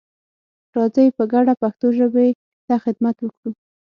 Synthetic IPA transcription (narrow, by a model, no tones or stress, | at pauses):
ɾɑzəjpəɡaɽapaxt̪oʒəbee | l̥ɑxɪd̪mat̪wəkɽu